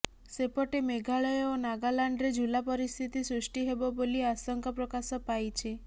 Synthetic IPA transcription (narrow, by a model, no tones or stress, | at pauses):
sepɔʈemeɡʱaɭɔjɔonaɡalaɳɖɾed͡ʒulapɔɾist̪ʰit̪isɾusʈiɦebɔboliasɔŋkɔpɾɔkasɔpajt͡ʃʰi